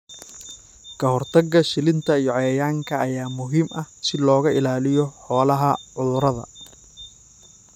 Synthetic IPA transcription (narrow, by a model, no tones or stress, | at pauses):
kʰɐɦɔrt̪ʰɐɡːɐʃɪlɪnt̪ʰɐijɔʕɛːjaːŋkʰɐːjaːmʊɦiːmʔɐhsɪlɔːɣɐʔɪlaːlɪjɔħɔːlɐɦɐʕʊðʊɾɐðɐ̰